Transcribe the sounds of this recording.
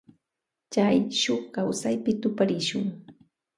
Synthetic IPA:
t͡ʃajʃoχkawsajpɪt̪ʊpaɾɪʃʊŋ

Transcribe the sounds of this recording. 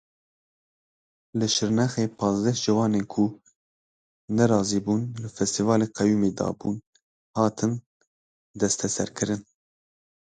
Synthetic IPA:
lɨʃɨɾnɛxeːpʰɑːzd̪ɛʒ̥ɨwɑːneːnkʰu | nɛɾɑːziːbuːnlɨfɛst̪ivɑːleːqɛjuːmeːd̪ɑ̰ːbuːn | hɑːt̪ʰɨn | d̪ɛst̪ʰɛsɛ̰ɾkʰɨɾɨn

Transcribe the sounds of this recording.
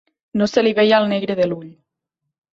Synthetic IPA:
noseliβɛjalˠneɣɾeðeluʎ

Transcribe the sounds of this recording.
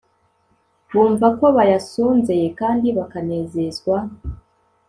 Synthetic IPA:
βuːɱvako̞βajasuːnze̞jekaːndiβakane̞ːze̞zɡwa

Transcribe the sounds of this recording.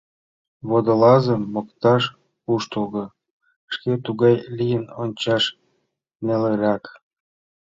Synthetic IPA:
βod̪ə̆lɑzə̆mːokt̪ɑʃ | puʃt̪olɣɤ̆ | ʃket̪uɣɑjlʲijənonʲt͡ɕɑʃ | neleɾɑk

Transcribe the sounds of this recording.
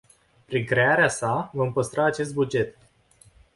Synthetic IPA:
pɾiŋkɾe̞aɾeasavompəst̪ɾaːt͡ʃe̞st̪̚bud͡ʒe̞t̪

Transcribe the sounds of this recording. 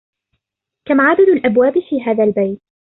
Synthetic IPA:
kamʕad̪ad̪alʔabwaːbɪfiːɦaːðalbajt̪̚

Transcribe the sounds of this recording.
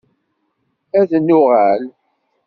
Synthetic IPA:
æðənːʊʁæl

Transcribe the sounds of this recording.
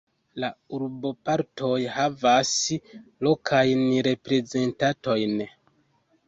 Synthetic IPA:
lauɾbo̞paɾtʰo̞jhavaslo̞kʰajnɾe̞pɾe̞ze̞ntato̞jn

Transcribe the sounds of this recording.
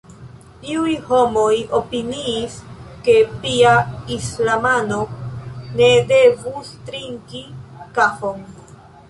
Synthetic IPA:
tiujho̞mo̞jo̞piniːske̞piaislamano̞ne̞de̞vustɾiŋkikafo̞n

